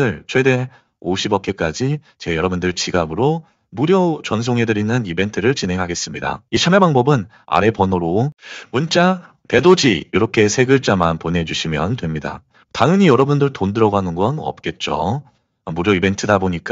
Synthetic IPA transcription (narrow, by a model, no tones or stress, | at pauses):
ɯɭt͡ɕʰwede̞ | oɕʰibʌk͈ek͈ad͡ʑi | t͡ɕe̞jʌɾʌbundɯɭt͡ɕiɡabɯɾo | muɾjot͡ɕʌnsʰoŋɦe̞dɯɾinːɯnibe̞ntʰɯɾɯɭt͡ɕinɦe̞ŋɦaɡe̞s͈ɯmɲida̰it͡ɕʰamebaŋbʌbɯn | a̰ɾe̞pʌnoɾomunt͡ɕ͈a | te̞dod͡ʑijoɾʌkʰe̞sʰeɡɯɭt͡ɕ͈amanponɦe̞d͡ʑuɕʰimjʌntwe̞mɲida̰ | taŋɯɲijʌɾʌbundɯɭtondɯɾʌɡoɦanɯnɡʌnʌ̰p̚k͈e̞t̚t͡ɕ͈o̰ | muɾjoibe̞ntʰɯdaboɲik͈a